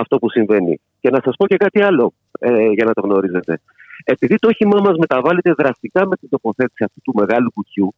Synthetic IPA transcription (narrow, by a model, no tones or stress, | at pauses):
ɐft̪o̞pusiɱve̞nḭ | ce̞nɐsɐspo̞ce̞kɐt̪iɐlo̞ | eʝɐnɐt̪o̞ɣno̞ɾize̞t̪e̞ | e̞piðit̪o̞çimɐmɐzme̞t̪ɐvɐlet̪e̞ðɾɐst̪ikɐme̞t̪ind̪o̞po̞θe̞t̪i̥siɐft̪ut̪ume̞ɣɐlupucu